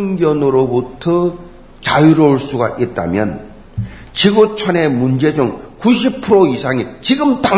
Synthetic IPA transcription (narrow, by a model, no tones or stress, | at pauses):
ŋɡjʌnɯɾobutʰʌ | t͡ɕajuɾouɭs͈uɡaʔit̚t͈a̰mjʌn | t͡ɕiɡot͡ɕʰʌne̞mund͡ʑe̞d͡ʑuŋkuɕ̬ʰipʰɯɾoisʰaŋit͡ɕiɡɯmta